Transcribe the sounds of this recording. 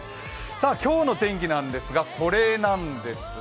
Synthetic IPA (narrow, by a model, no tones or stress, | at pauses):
saːkʲo̞ːno̞t̪ẽ̞ŋk̬ʲinãnd̪e̞sɨɡakʰo̞ɾe̞ːnãnd̪e̞sɨ